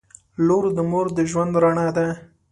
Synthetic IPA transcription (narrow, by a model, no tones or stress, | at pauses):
loɾd̪əmoɾd̪əʒwand̪ɾaɳad̪a